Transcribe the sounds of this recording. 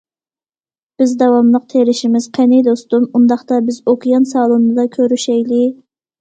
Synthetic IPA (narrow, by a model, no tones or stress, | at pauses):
b̥ɪzd̪ɛwɑmlˠəq̚t̪ʰeɾɪʃimɪz̥qʰenɪjd̪ost̪umund̪ɑχt̪ɑbɪzokʰijɑnsɑːlˠumnɨd̪ɑkʲʰøɾyʃɛjlɪ